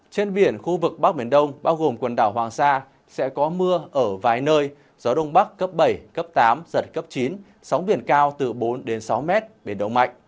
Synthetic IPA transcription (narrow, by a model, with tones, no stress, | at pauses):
t͡ɕe˧nɓi˧˩ənxu˧vɨ˨˩k̚ɓa˦˥k̚ɓi˧˩ənɗə˧wŋ͡mɓaː˧wɣo˨˩mkwə˨˩nɗaː˧˩wɦwaː˨˩ŋsaː˧ | sɛ̰˧˥kɔ˨˦mɨ˧əʔəː˧˩vaː˨˩jnəː˧j | zɔ˨˦ɗə˧wŋ͡mɓa˦˥kːə˦˥p̚ɓə˧˩jkə˦˥p̚t̪aː˨˦mz̥ə˨˩t̚kə˦˥p̚t͡ɕi˨˦n | sa˨˦wŋ͡mɓi˧˩ənkaː˧wt̪ɨ˨˩ɓo˨˦nɗe˨˦nsa˨˦wmɛ˦˥t̚ɓe˨˩ənɗə˧wŋ͡mma̰˧˨jŋ̟